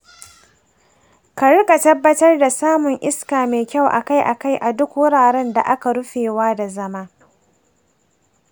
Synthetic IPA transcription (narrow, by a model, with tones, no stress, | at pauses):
ka˨ɽʊ˦kʼa˨tɐ˦bːɐ˦tɐ˦rda˨saː˦mʊ˨ŋʔɪ˦skaː˨meː˨kʲa˦˨wʔa̰˨ka˦jʔa˨ka˦jʔa˨dʊ˦kwʊ˦ɽaː˨ɾɛ˦nda̰˨ʔa˦ka˨ɽʊ˦ɸeː˨waː˦da˨zɐ˦maː˦